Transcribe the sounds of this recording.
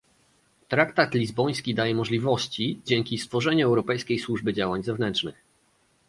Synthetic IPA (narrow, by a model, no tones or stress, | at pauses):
t̪ɾakt̪at̪lʲizbɔj̃skʲid̪ajɛmɔʐlʲivɔɕt͡ɕid͡ʑɛŋkʲist̪fɔʐɛɲuɛwɾɔpɛjskʲejswuʐbɘd͡ʑawaɲzɛvnɛnt͡ʂnɘ̰x